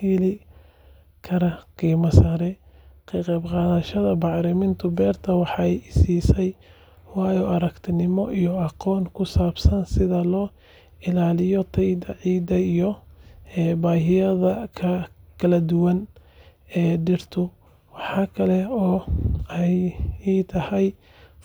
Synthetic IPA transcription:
hɪlɪ | kʰɐɾɐqiːmɐsɐɾɛqiqɛbqɑːðɐʃɐðɐbɑʕɾɪmɪnt̪ʰʊbɛːrt̪ʰɐwɑħɑjɪsiːsɛj | wɑːjɔʔɐɾɐkt̪ʰɪnɪmɔʔijɔɑqɔːnkʰʊsaːbsɐnsɪðɐlɔː | ɪlaːlɪjɔt̪ʰɛjd̪ɐʕiːd̪ɐijɔɛːbaːɦɪjɐðɐkʰɐkʰɐlɐd̪ʊwɐn | ɛːɖɪrt̪ʰʊ | wɑħɑːkʰɐlɛɔːɛjt̪ʰɐhɛj

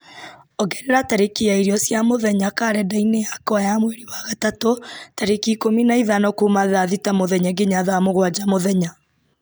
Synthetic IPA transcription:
ɔɡɛneɾataɾekiaiɾiɔsjamoðɛɲakaɾɛdainejakɔajamweɾiwaɣatatotaɾekikominaiðanɔkumaðaðitamoðɛɲaɡeɲaðaamoɣwad͡ʒamoðɛɲa

